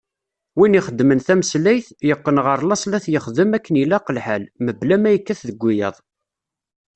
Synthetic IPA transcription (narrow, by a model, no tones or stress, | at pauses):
winiχəd̪ːmənθæməslæjθjəqːənʁəɾˤlɑsˤlæθjəχðəmækːənilːæqəlħælməblæmæjəkːæθðəɡʷːijə̰ðˤ